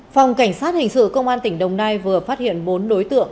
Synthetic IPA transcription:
fa˨˩wŋ͡mka˧˩jŋ̟saː˦˥t̚hï˨˩ŋ̟sɨ̰˧˨kə˧wŋ͡mʔaː˧nt̪ï˧˩ŋ̟ɗə˨˩wŋ͡mnaː˧jvɨ˨˩əfaː˦˥t̚hḭ˧˨ənɓo˨˦nɗo˨˦jt̪ɨ̰˧˨əŋ

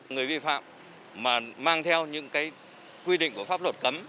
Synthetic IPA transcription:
ŋɨ˨˩əjvi˧fa̰ː˧˨mː | aː˨˩maː˧ŋt̪ʰɛ˧wɲɨ̰˧˥ŋkaː˨˦j | kwi˧ɗḭ̈˧˨ŋ̟ku˧˩əfaː˦˥p̚lə˨˩t̚kə˨˦m

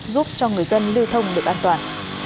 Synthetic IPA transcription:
zu˦˥p̚t͡ɕɔ˧ŋɨ˨˩əjzə˧nli˧wt̪ʰə˧wŋ͡mɗɨ˨˩ək̚ʔaː˧nt̪waː˨˩n

